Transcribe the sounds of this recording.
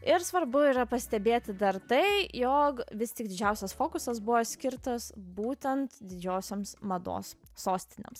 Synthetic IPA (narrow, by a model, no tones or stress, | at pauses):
ɪɾsʋɐɾbʊiːɾɐpɐsʲt̪ʲɛbʲeːt̪ʲɪd̪ɐɾt̪ɐɪjoːkʋʲɪst̪ʲɪɡ̚d̪ʲɪd͡ʒʲɛˑʊsʲɛsfoːkʊsɐsbʊʋoːsʲkʲɪɾt̪ɐsbuːt̪ʲɛnt̪d̪ʲɪd͡ʒʲoːsʲomsmɐd̪o̰ːsːoːsʲt̪ʲɪnʲḛms